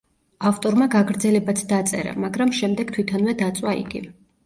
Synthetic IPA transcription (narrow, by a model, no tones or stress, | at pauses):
aft̪ʼɔɾmaɡaɡɾd̪zɛlɛbat̪ʰd̪at̪sʼɛ̰ɾa̰maɡɾamʃɛmd̪ɛɡ̥̚t̪ʰwit̪ʰanvɛd̪at̪sʼwaḭɡḭ